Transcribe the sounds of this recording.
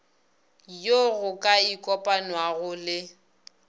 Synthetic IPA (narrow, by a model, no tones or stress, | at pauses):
joɣʊkʼaikʼɔpʼanwaɣʊlɪ